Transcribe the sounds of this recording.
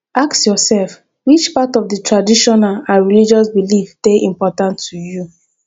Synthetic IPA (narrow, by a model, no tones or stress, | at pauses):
ʔaksjɔsɛlf | wit͡ʃpatɔvdətʰɹadiʃɔnalãnɹilid͡ʒɔsbilifdeʔĩmpɔtãntʰːuju